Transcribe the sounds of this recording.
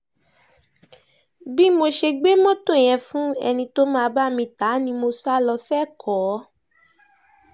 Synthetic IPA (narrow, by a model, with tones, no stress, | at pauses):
bi˦mo˧ʃe˧ɡ͡be˦mɔ̃˦to˦˨j̃ɛ̃˧fũ˦ɛ̰˧nĩ˧to˦mãː˦˧ba˦mĩ˧ta˨˦nĩ˧mo˧sa˦lɔ˧sɛ˦˨kʰɔ˨˦